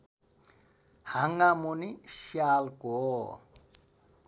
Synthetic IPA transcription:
haŋamuniʃalɡ̥ɔ̰

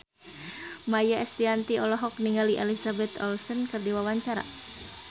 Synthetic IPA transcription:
majaɛst̪iant̪iɔlɔɦɔk̚niŋaliʔɛlisabɛt̪ɔ̰lsɔnkɨrdiwawaɲt͡ʃaɾa̰

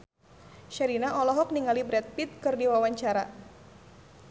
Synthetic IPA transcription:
ʃaɾinaʔɔlɔɦɔk̚niŋalibɾɛt̪̚pit̪̚kɨrdiwawaɲt͡ʃaɾa̰

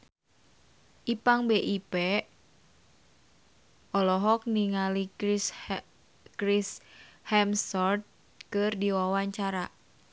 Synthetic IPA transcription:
ʔipaŋbeʔipɛ | ʔɔlɔɦɔk̚niŋali | kɾishɛmsɔrt̪̚ | kɨrdiwawaɲt͡ʃaɾa

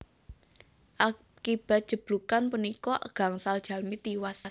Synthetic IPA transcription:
ʔa | kib̥a̤t̪̚d̥ʒ̥ə̤b̥lukanpunikɔʔɡ̥a̤ŋsald̥ʒ̥ä̤lmit̪iwas

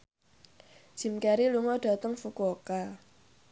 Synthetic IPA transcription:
ʒ̥i̤mkaɾiluŋɔɖ̥a̤t̪əŋfukoka

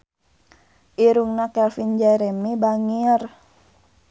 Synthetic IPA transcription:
ʔiɾuŋnakɛlfind͡ʒaɾemibaŋiər

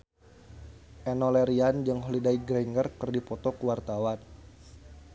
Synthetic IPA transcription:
ʔɛnɔlɛɾiand͡ʒɨŋɦɔlidajɡɾɛŋɡərkɨrdipɔt̪ɔkəwart̪awan

